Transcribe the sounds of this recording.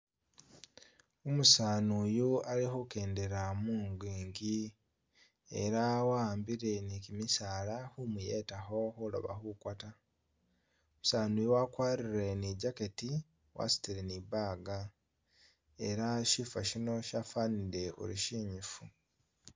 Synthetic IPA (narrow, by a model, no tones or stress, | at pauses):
omusaːnujualixuke̞ːnde̞ɾamuːŋɡwiːŋɡi | eɾawaːmbiɾe̞nikimisaːlaxumujetaxo̞xulo̰βa̰xukwata | omusaːnujowakwaːɾiɾe̞niɟake̞ti | wʔa̰si̥tiɾeniβaːɡa | eɾaʃifaʃino̞ʃafaniɾe̞o̰lṵʃiːɲifu